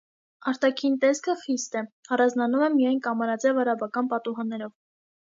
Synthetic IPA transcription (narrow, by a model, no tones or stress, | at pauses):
ɑɾt̪ɑkʰint̪ɛskʰəχist̪ɛɑrɑnd͡znɑnumɛmijɑjnkɑmɑɾɑt͡sɛvɑɾɑbɑkɑnpɑt̪uɦɑnːɛɾɔv